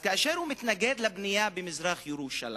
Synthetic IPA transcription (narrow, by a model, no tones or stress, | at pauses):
kaʔaʃeɾhumɪt̪naɡed̪labnijabemɪzɾaxjeɾuʃa̰lḭ